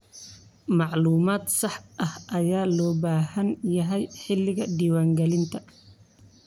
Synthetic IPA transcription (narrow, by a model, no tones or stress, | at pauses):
mɑʕluːmaːd̪sɑħʔɐhɐjaːlɔːbaːhɐnjɐɦɛjħɪlːɪɣɐɖiːwaːŋɡɛlɪnt̪ʰɐ